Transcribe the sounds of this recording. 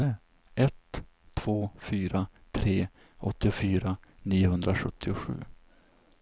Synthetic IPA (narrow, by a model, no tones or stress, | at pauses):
ə | ɛt̪ʰː | v̥oːfyːɾat̪ʰɾeː | ʔɔt̪ːɪʊfyːɾaniːʊɦɵnd̪ɾaɧɵ̰t̪ʰːɪʊɧʉ̟̰ː